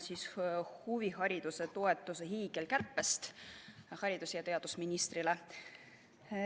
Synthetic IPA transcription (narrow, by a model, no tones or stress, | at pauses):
sishuviɦɑɾʲid̪̥use̞t̪o̞e̞t̪ːˑuseɦiːɡ̥e̞lkærpːˑest̪ | hɑɾid̪usjɑt̪eɑd̪̥usminist̪rile